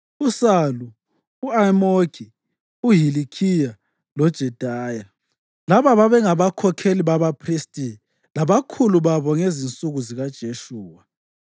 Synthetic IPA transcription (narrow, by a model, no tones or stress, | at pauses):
usaluː | amokʰi | uɦilikʰija | lɔd̥ʒ̥ʱɛd̥ʱaːja | laβaβaβɛŋaβakʰɔkʰeliβaβapʰristʼi | laβakʰuluβaβɔŋezint͡sʼuɣuziɣad̥ʒ̥ʱeʃuːwa